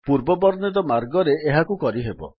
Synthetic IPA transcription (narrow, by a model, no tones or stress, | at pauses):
puɾbɔbɔɾnid̪ɔmaɾɡɔɾeːɦakukɔɾiɦebɔ̰